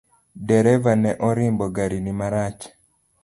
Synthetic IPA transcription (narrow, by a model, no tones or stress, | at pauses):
dɛɾɛvanɛʔɔɾɪmbɔɡaɾinimaɾat͡ʃ